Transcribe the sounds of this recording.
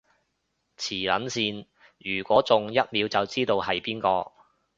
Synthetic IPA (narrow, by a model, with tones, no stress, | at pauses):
t͡sʰiː˨˩lɐ̰˨˥nsiː˧n | jyː˨˩kʷɔː˨˥t͡sʊ˨ŋjɐ˥t̚miː˨˧wt͡sɐ˨wt͡siː˥t̪o˨˧whɐ˨jpiː˥nkɔː˧